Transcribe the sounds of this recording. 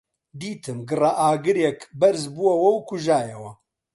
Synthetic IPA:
d̪iːt̪ʰɨmɡɨrɐʔaːɡɨɾjɛkbɐɾzbuwɐwɐwkʰʊʒaːjɛwɐ

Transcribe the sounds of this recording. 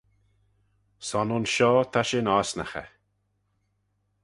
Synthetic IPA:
sanonʃɔːt̪ʰaʃenaːsna̰xɛ̰

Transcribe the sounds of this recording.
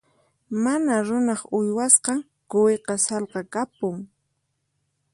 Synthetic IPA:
manaɾʊnɑχʊjwasqɑŋ | kʊweqɑsɑlqɑkapʊŋ

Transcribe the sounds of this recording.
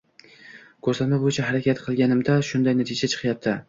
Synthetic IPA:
kʲʰɵɾsat̪mabojɪt͡ʃʰaɦaɾakʲat̪qʰɨlˠɡʲanɪmd̪aʃʊnd̪ajnat̪ʰɪd͡ʒat͡ʃʰɨ̥qjap̚t̪ʰɪ

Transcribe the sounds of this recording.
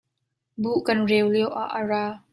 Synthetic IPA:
buʔkɐnrɛwliəwʔa̰ʔəraː

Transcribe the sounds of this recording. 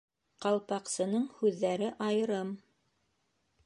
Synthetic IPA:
qɑlˠpɑqsɤ̆nɤɴhʉðːæɾɘʔɑjɤ̆ɾɤm

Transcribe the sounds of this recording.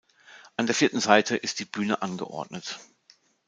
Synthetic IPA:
ʔandeːɐfiːɐtn̩zaɪtʰəʔɪst̚d̥iːbyːnəʔanɡə̰ʔɔ̰ɐdnət

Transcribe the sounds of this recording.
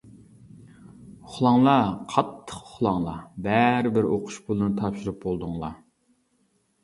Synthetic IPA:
ʊχlˠɑŋlˠɑqʰɑt̪ʰːə̥qʊ̥χlˠɑŋlˠɑbæɾɪbɪɾoqʰʊ̥ʃbʊlˠɨnɨt̪ʰɑpʃuɾup̚bolˠd̪uŋlˠɑ

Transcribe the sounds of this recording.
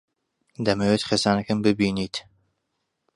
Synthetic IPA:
d̪ɐmewet̪χesaːnɐkɨmbɨbiːniːt̪

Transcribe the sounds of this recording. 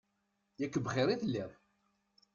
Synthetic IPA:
jækːəbχɪɾiθəlːiðˤ

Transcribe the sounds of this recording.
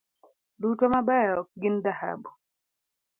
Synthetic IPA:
dutɔmabɛjɔk̚ɡɪnd̪aha̰bu

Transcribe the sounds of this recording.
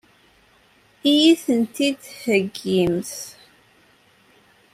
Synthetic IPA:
ijiθənt̪id̪həɡːimθ

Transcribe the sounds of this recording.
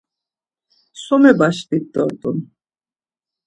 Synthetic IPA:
sɔmɛbaʃb̪it̪ːɔɾt̪ʼun

